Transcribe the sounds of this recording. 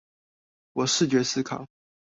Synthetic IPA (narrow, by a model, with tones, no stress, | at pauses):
wɔ˨˩ʂɻ̩˥˩t͡ɕɥɛ˧˥s̩˥kʰɑ̰˨˩˦